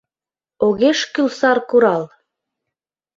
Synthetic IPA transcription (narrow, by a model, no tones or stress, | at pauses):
oɣeʃkylsɑrkuɾɑl